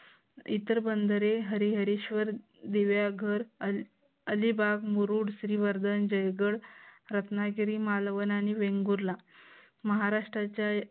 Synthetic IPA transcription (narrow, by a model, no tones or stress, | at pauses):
it̪əɾbənd̪əɾeɦəɾiɦəɾiɕʋəɾ | d̪eʋjaɡʱəɾ | əlibaɡmuɾuɽsɾiːʋəɾd̪ənd͡ʑəjɡəɽɾət̪naɡiɾimalʋənañiʋẽŋɡuɾla | məɦaɾaʂʈɾat͡ɕja